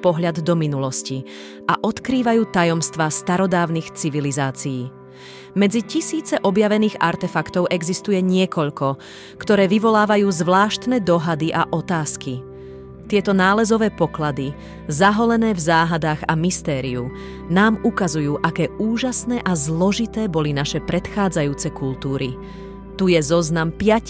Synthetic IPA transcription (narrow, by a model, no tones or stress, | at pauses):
pɔɦʎad̪d̪ɔminulɔsci | ʔaʔɔt̪kɾiːʋajuːt̪ajɔmst̪ʋaːst̪aɾɔd̪aːʊnixt͡siʋilizaːt͡sijiː | mɛd͡zicisiːt͡sɛʔɔbjaʋɛniːɣa̰ɾt̪ɛfakt̪ɔʊʔɛɡzist̪ujɛɲɪɛkɔʎkɔ | kt̪ɔɾɛːʋiʋɔlaːʋajuːzʋlaːʃt̪nɛːd̪ɔɦad̪iʔaʔɔt̪aːski | t̪ɪɛt̪ɔnaːlɛzɔʋɛːpɔklad̪i | zaɦɔlɛnɛːvzaːɦad̪aːɣamist̪ɛːɾiu | naːmukazujuːʔakɛːuːʒasnɛːʔazlɔʒit̪ɛːbɔlinaʃɛpɾɛt̪xaːd͡zajuːt͡sɛkult̪uːɾḭ | t̪ujɛzɔznampɪa